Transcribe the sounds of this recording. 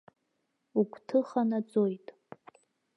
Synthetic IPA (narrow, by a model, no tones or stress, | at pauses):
ukʷʰʼtʰɨχanad͡zojtʼ